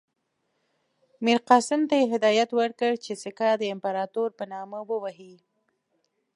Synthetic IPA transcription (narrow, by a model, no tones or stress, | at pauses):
miɾqɑsɪmt̪ajeɦɪd̪ɑjat̪wəɾkəɽt͡ʃesɪkad̪əɪmpaɾɑt̪oɾpənɑməwəwaɦi